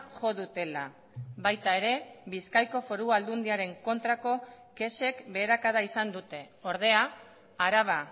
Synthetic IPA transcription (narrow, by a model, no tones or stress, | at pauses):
ʝo̞ðut̪e̞la̰ | βajt̪ae̞ɾe̞βiskajko̞fo̞ɾuald̪und̪iaɾe̞ŋko̞nt̪ɾako̞ | ke̞se̞kbe̞ːɾakaðaisand̪ut̪e̞ | o̞ɾð̞e̞a | aɾaβ̞a